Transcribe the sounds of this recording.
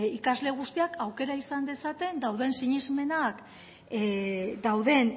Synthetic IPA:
ikazle̞ɣ̞ust̪iakʰawke̞ɾaisand̪e̞sat̪e̞nd̪awðe̞nsiɲizme̞nak | d̪awðe̞n

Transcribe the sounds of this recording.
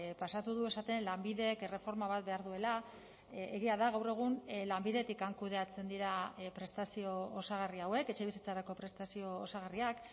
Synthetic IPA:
pasat̪uðue̞sat̪e̞nlambiðe̞kere̞fo̞ɾmaβ̞at̪̚be̞aɾðue̞la | eɣiaðaɣawre̞ɣ̞unlambiðe̞t̪ikaŋkuð̞e̞at͡se̞nd̪iɾapɾe̞st̪asio̞osaɣ̞ariawe̞ke̞t͡ʃe̞βisit͡saɾako̞pɾe̞st̪asio̞ːsaɣ̞ariak

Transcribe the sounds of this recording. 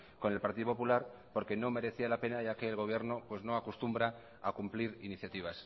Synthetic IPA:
ko̞ne̞lpaɾt̪iðopo̞pulaɾpo̞ɾke̞no̞me̞ɾe̞θialape̞naʝake̞ːlɣ̞o̞β̞je̞ɾno̞pwe̞zno̞akust̪umbɾa | a̰kumpliɾiniθjat̪iβ̞as

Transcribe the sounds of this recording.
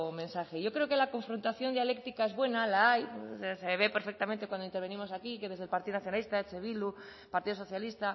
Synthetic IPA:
mẽnsaxeʝo̞kɾe̞oke̞lako̞ɱfɾont̪aθjo̞nd̪jalekt̪ikae̞zβwe̞nalaaj̰seaseβe̞peɾfek̚t̪amẽnt̪ekwand̪int̪eɾβe̞nimo̞sakikeðe̞zðelpaɾt̪iðonaθjonalist̪aet͡seβ̞ilu | paɾt̪iðoso̞θjalist̪a

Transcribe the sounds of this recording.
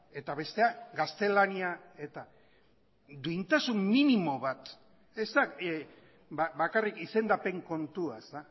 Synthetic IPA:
e̞t̪aβe̞st̪e̞aɡast̪e̞laniae̞t̪a | d̪uijnt̪asumminimo̞βat̪ | e̞st̪a | babakarikise̞nd̪ape̞ŋko̞nt̪uast̪a

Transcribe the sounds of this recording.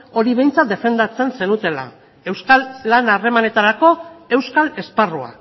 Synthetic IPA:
o̞ɾiβe̞jnt͡sat̪d̪e̞fe̞nd̪at͡se̞nse̞nut̪e̞la̰ | e̞wskalːanare̞mane̞t̪aɾako̞e̞wskale̞sparua̰

